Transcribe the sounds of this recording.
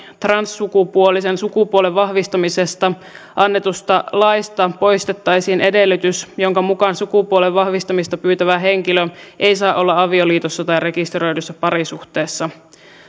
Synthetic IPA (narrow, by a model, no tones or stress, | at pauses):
t̪rɑnsːukupuolisensukupuoleʋʋɑhʋist̪ɑmisest̪ɑ | ʔɑnːe̞t̪ust̪ɑlɑjst̪ɑpo̞jst̪et̪ːɑjsiːnʔe̞delːyt̪ysjoŋkɑmukɑnsukupuoleʋʋɑhʋist̪ɑmist̪ɑpyːt̪æʋæɦe̞ŋkiløʔe̞isɑːʔo̞lːɑɑʋioliːt̪osːɑt̪ɑjre̞kist̪ro̞jdusːæpɑɾisuht̪e̞ːsːɑ